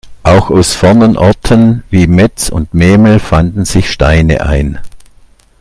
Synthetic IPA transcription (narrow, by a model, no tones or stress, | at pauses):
ʔaʊxaʊsfɛɐnənʔɔɐtʰənviːmɛt͡sʊ̰ntmeːml̩fandn̩z̥ɪçʃtaɪnə̰ʔa̰ɪn